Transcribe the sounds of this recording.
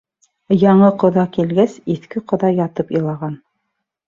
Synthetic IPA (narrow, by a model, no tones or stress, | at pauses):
jɑɴɤqŏðɑkilɡæsiθkɘqŏðɑjɑt̪ɤpɤ̆lˠɑʁɑn